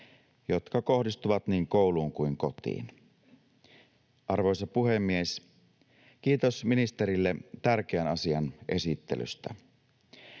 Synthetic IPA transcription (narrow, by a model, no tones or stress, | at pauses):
jo̞t̪kɑko̞hdist̪uʋɑt̪niːŋko̞uluːŋkuiŋko̞t̪ḭːn | ʔɑrʋojsɑpuɦe̞mːies | k̟iːt̪o̞sminist̪eɾilːet̪ærk̟eænɑsiɑnʔe̞sit̪ːḛly̰st̪æ̰